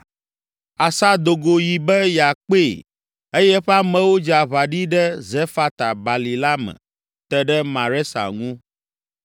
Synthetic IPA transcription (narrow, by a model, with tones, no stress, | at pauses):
a˨sa˦d̪o˨ɡo˨ji˨bɛ˦ja˨k͡pe˦˨ | e˦jɛ˦ɸɛ˦a˦mɛ̃˨wo˦d͡ʒa˨βa˨ɖi˦ɖɛ˦zɛ˦fa˦t̪a˨ba˨li˨la˦mɛ̰̃˨ | t̪ɛ˦ɖɛ˦mã˨ɾɛ˦sa̰˨ŋũ˦